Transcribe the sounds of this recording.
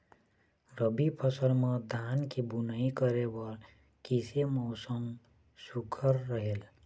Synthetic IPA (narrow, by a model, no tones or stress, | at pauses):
ɾəbipʰʌsəlmʌd̪ʱankebunəikəɾebʌl | kisemɔʊsəm | sukʰəɾːəɦel